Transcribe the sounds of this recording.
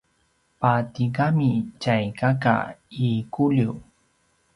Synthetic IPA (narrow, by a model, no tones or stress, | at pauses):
pat̪ɪɢamɪt͡ʃajkaka̰ikʊliw